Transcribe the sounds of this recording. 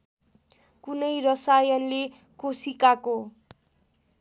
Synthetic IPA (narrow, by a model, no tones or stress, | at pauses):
kunʌjrʌsajʌnle | kosikako